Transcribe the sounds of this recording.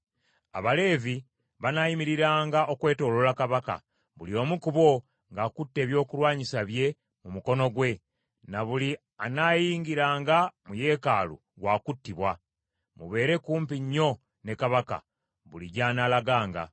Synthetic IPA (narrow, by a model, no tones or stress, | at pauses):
a̰βale̞ːvi | βanajimiɾiɾaːŋɡaʔo̞kwe̞ːto̞ːlolakaβaka̰ | βulio̞ːmukuβo̞ | ŋɡaːkutːe̞ːβjo̞ːkulwaːɲisaβje̞ | mumuko̞no̞ɡwe̞ | naβuli | anajiːŋɡiɾaːŋɡamuje̞ːkaːlṵ | ɡwaːkutːiβwa | mṵβe̞ːɾe̞kuːmpiɲːo̞ | ne̞kaβaka̰ | βuliɟaːnaːlaɡaːŋɡa̰